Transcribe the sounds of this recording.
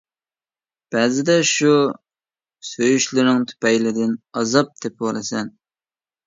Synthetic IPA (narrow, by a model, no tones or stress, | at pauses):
b̥ɛzɪd̪ɛʃu | søjyʃlɪɾnɪŋt̪ʰy̥pɛjlɪd̪ɪnɑzɑp̚d̪ʰɛp̚wɑlˠɨsɛn